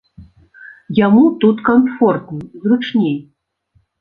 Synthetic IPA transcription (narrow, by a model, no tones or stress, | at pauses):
jamut̪ut̪kamfɔrt̪nɨzrut͡ʂnʲej